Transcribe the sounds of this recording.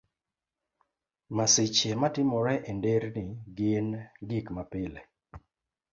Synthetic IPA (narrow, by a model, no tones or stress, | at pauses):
masɪt͡ʃematɪmɔɾɛʔendeɾnɪɡɪnɡɪkmapɪlɛ